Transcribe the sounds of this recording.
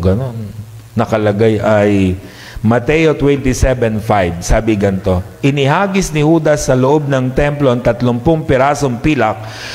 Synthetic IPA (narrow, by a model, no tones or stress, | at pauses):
ɡɐno̞nː | ɐkɐlɐɡajʔaj | mɐt̪ɛjot̪wɛnt̪ɪsɛbɛnfajb̚saːbɪɡɐnt̪o̞ʔɪnɪɦaːɡɪsnɪhuːd̪ɐsːɐloʔob̚nɐŋt̪ɛmplont̪ɐt̪lʊmpʊŋpɪɾaːsoŋpilɐk̚